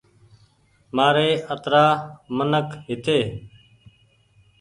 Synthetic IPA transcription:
maːɾeːət̪ɾaːmənəkɦɪt̪eː

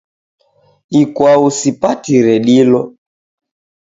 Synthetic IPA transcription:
ikwausipatiɾɛɗilɔ

